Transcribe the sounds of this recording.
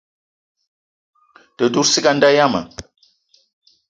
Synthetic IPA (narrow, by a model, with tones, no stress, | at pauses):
tə˨du˦ɾsi˦ɡa˦n̩˦da˦ja˦mə̰˨